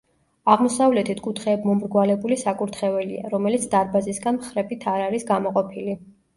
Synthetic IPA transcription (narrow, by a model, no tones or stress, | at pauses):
aʁmɔsavlɛt̪ʰit̪ʰkʼut̪ʰχɛːbmɔmɾɡwalɛbulisakʼuɾt̪ʰχɛvɛlia̰ɾɔmɛlit̪sʰd̪̥aɾbazisɡanmχɾɛbit̪ʰaɾaɾisɡamɔqʼɔpʰili